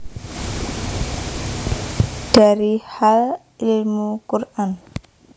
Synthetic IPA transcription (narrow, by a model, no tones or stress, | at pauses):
d̥aɾihal | ilmukuɾʔan